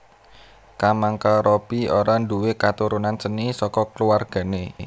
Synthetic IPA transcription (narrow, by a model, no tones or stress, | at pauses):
kamaŋkaɾɔb̥ioɾanduwekat̪uɾunansənisɔkɔkəluwarɡ̥a̤ne